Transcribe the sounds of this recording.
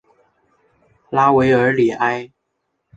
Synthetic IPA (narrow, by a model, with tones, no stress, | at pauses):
la˥we˧˥ɪə˞˨˧˥li˨˩ʔa˥ɪ